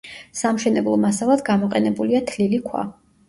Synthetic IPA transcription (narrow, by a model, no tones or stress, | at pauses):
samʃɛnɛblˠɔmasalˠad̪ɡamɔqʼɛnɛbuliat̪ʰlilikʰwa̰